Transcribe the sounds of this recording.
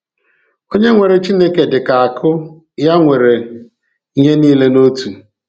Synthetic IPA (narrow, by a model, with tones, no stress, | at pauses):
o˦ɲe˦ŋʷe˨ɾe˨t͡ʃi˦ne˦ke˨dɪ˨ka˨a˨kʰʊ˦ | ja˦ŋʷe˨ɾe˨ | i˦ɲe˦niː˦le˦no˦tu˨